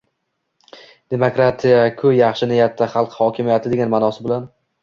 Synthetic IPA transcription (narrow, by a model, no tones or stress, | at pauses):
d̪̥e̞mokɾat̪ʰijakʰʊjɑχʃɪnɪjat̪ʰːaχɑlˠqhɒkʲʰɪmijat̪ʰɪd̪e̞ɡʲanmanɒsɪbɪlan